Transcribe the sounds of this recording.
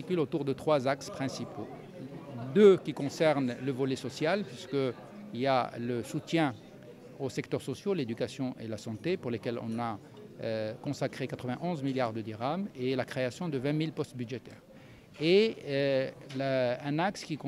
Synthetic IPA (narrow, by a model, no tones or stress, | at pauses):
ikʲylot̪uʁd̪ət̪χwazakspχɛ̃sipo | d̪økʲikɔ̃sɛʁnləvɔlesɔsjalpɥiskə | ilja̰ləsut̪jɛ̃ | osɛkt̪œʁsɔsjoled̪ykasjɔ̃ʔḛlasɑ̃t̪epuʁlekʲɛlɔ̰̃na | kɔ̃sakχekat̪χəvɛ̃ʔɔ̃zmiljaʁd̪əd̪iʁamelakχeasjɔ̃d̪əvɛ̃milpɔst̪byd̪ʒet̪ɛ̰ːʁ | e | laɛ̃nakskʲikɔ̃